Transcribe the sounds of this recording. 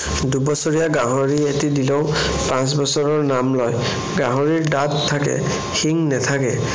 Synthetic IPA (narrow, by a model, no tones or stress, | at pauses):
dubɔsɔɹijaɡaɦoɹietidilɔʊ̃ | pãs̬bɔsɔɹɔɹnamlɔj | ɡaɦoɹiɹdattʰːakɛ̰ | xiŋnɛtʰakɛ̰